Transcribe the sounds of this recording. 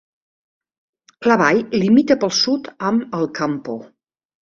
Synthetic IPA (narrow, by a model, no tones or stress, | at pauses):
ləβajlimit̪əpəlˠsut̪əməlˠkampo